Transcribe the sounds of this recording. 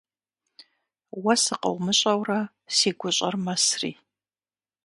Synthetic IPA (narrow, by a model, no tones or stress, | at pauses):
wɐsɨqɐ̰wmɨɕʼɐwrɐ | siːɡʷʊɕʼɐrmɐsrḭː